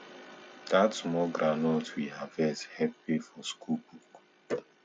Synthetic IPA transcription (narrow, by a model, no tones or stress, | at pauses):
d̥atsmɔɡɾanɔtwihavɛthɛp̚wefɔskʰulbuk